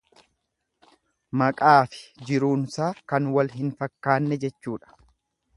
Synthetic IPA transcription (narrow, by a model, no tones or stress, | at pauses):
mɐkʼaːfɪ̥d͡ʒɪɾuːnsaːkɐnwɐlɦɪnfɐkːaːnːɛd͡ʒɛt͡ʃːuːᶑɐ̥